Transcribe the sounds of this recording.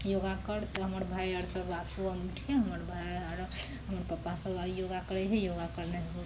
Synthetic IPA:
joɡakəɽt̪ɔɦəməɾbʱajaɽsəbasuəmiʈʰkeɦəməɾbʱajaɾ | ɦəməɾpəpːasəbajoɡakəɾɛt͡ʃʰɛjoɡakəɾneɦɡu

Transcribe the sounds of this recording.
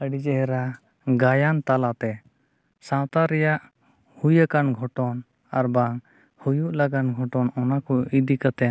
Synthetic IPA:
əɖid͡ʒɛɦɛɾa | ɡajant̪alat̪ɛ | sãwt̪aɾɛjaʔ | hujakanɡʱɔʈɔn | aɾbaŋ | hujuʔlaɡanɡʱɔʈɔnɔnakɔid̪ikat̪ɛ

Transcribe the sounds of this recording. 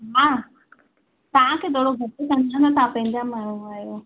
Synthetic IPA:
ɦãː | t̪ɐʋãkʰet̪oːɽoɡʱɐʈekɐnanɐt̪ɐãpɐ̃ɦɪ̃ɲd͡ʑamaːɳ̤ũaːjo

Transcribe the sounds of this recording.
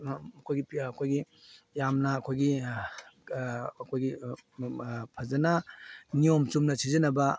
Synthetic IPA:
ɐkʰojɡipɐkʰojɡijamnɐːkʰojɡi | kʰojɡi | pʰɐzɐnɐniomt͡ʃumnɐsizɐnɐbɐ

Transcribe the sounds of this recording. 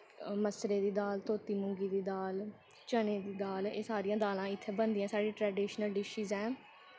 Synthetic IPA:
məsɾeːd̪iːd̪aːlt̪oːt̪iːmʊŋɡiːd̪iːd̪aːl | t͡ʃəneːd̪iːd̪aːleːsaːɾijãːd̪aːlãːɪt̪ʰːeːbənd̪iːãːsaːɖiːʈɾɛːɖiːʃnəlɖɪʃiːzɛː

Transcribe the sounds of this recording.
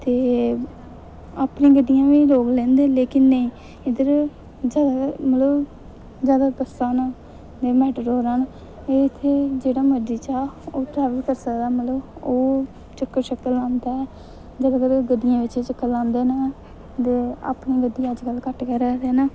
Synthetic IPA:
t̪eː | aːpnĩːɡəd̪ːɪjãːʋiːloːɡlɛ̃ːnd̪eːleːkɪnːəĩː | ɪd̪əɾ | d͡ʒjaːd̪aːmət̪ləb | zjaːd̪aːbəsaːna | d̪eːmɛːʈəɾɦoːɾaːn | eːɪt̪ʰːeːd͡ʒeːɽaːməd͡ʒiːt͡ʃaːoːʈɾɛːʋəlkəɾsəkd̪aːmət̪ləboː | t͡ʃəkːəɾʃək̚t̪lãːnd̪aːɛː | d͡ʒəd̪ːkəɾɡəd̪ːɪjãːʋɪt͡ʃːt͡ʃəkːəlãːnd̪eːnaː | t̪eːa̰ːpnĩːɡəd̪ːijãːəd͡ʒkəlkəʈkəɾaɾɛːnaː

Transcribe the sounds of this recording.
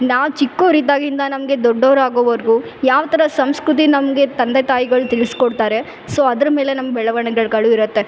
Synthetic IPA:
naːʋt͡ʃikːoːɾiːt̪aːɡind̪ɐnɐmɐɡe̞d̪ɔɖːoːɾaːɡoːʋɐɾɡujaːʋɐt̪ʰɐɾɐsɐmskɾut̪̬inɐmɐɡe̞t̪ɐnd̪et̪aːjiɡɐɭut̪iɭiskɔɽt̪aːɾe̞ | soːɐd̪ɐɾɐme̞ːle̞nɐmːɐbɛɭɐʋɐɳɐɡɐɭkɐɭuiɾɐt̪ːe̞

